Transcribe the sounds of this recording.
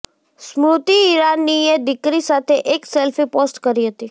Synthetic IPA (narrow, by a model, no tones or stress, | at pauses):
smɾʊt̪iːɾanːied̪ɪkɾisat̪ʰeʔeksɛlfʰiposʈkəɾiɦət̪i